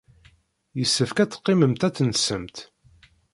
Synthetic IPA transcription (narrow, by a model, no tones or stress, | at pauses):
jəsːəfkæt͡sːə̥qːiməmt̪æt͡sːnsəmt̪